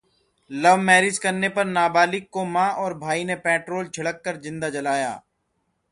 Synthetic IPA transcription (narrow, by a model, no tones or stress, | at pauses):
ləʋmɛːɾɪd͡ʒkəɾnepɐɾnaːbaːlɪkːomãːʔɔːɾbʱaːinepɛːʈɾoːlt͡ʃʰɐɽəkːəɾd͡ʒɪ̃nd̪ad͡ʒɐlaːja̰ː